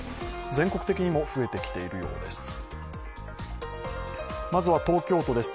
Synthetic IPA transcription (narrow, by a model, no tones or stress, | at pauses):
sɨ̥d͡zẽ̞ŋko̞kɯ̥t̪e̞kʲiɲ̟imo̞ɸɯ̟e̞t̪e̞kʲi̥t̪e̞iɾɯ̟jo̞̰ːd̪e̞̰sɨ̥ | mazɨβat̪o̞ːkʲo̞ːt̪od̪e̞sɨ̥